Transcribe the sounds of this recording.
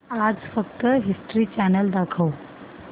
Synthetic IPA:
ad͡zfəkt̪əɦisʈɾiːt͡ɕænəld̪akʰəw

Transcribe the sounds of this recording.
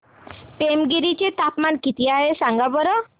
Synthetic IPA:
pemɡiɾit͡ʃet̪apmankit̪iaɦesaŋɡabɔɾɔ

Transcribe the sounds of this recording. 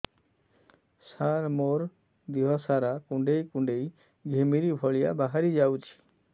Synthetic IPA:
saɾmoɾ | d̪iɦɔsaɾakuɳɖejkuɳɖej | ɡʱemiɾibʱɔɭijabaɦaɾid͡ʒawt͡ʃʰi̥

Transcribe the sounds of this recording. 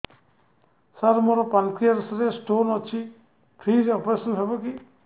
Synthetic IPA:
saɾmoɾɔpankʰiaɾsɾesʈonɔt͡ʃʰi | pʰɾiɾeɔpɾesɔnɦebɔki

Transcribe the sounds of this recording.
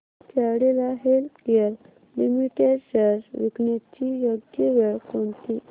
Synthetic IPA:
kʰɛʋɽelaɦelt̪keəɾ | limiʈeɖɕəɾʋikɳit̪t͡ɕijoɡjeʋeɭkont̪i

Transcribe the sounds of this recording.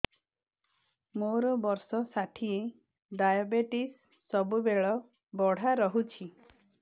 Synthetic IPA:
moɾɔbɔɾsɔsaʈʰie | ɖajɔbeʈisː | ɔbubeɭɔ | bɔɽ̤aɾɔɦut͡ʃʰi

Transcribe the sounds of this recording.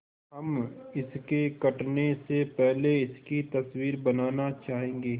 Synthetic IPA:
ɦɐmɪskekɐʈnesepɛɦleɪskit̪ɐswiːɾbɐnaːnat͡ʃaːɦẽːŋɡeː

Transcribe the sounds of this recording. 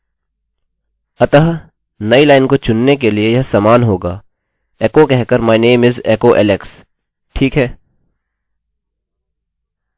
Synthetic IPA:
ɐt̪əɦ | nɐilaːɪnkot͡ʃʊnːek̬eliejɐɦsaːmaːnɦoːɡaː | ɛːkokɛɦkəɾmaːɪneːmɪzeːkoʔɛ̰ːleks | ʈʰiːkɦɛː

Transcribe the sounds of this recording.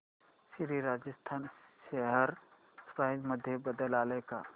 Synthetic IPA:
siɾiɾaːd͡ʒəst̪ʰaːnʃeɦəɾ | spaɦd͡ʒməd̪ʱjebəd̪əlaːleka

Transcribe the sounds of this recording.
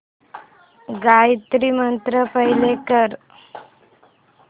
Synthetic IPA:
ɡajt̪ɾimənt̪ɾəpəɦilekəɾ

